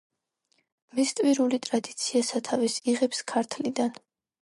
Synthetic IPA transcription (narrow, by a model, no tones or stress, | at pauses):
mist̪ʼviɾulit̪ʼɾad̪i̥t̪sʰiasat̪ʰavisiʁɛpskʰaɾt̪ʰlid̪an